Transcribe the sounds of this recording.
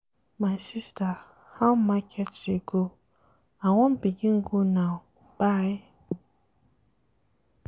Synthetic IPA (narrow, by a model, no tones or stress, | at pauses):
mãnsistʰa | hãmãkʰɛt͡ʃɪɡo | awɔ̃mbiɡĩŋ̩ɡunãb̥aj